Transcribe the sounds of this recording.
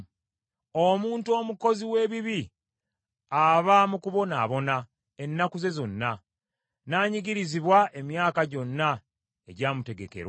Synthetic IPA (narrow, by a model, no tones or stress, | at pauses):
omuːntuo̞ːmuko̞ziwe̞ːβiβi | aβamukuβo̞na̰βo̞na | e̞nːakuze̞zo̞nːa | naːɲiɡiɾiziβwaʔe̞mjaːkaɟo̞nːa | e̞ɟaːmute̞ɡe̞ke̞̰ɾwa